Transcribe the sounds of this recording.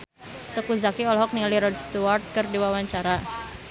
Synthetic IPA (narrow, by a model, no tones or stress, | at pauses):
t̪əkuzakiɔlɦɔk̚nialiɾɔdst̪uart̪̚kərdiwawaɲt͡ʃaɾa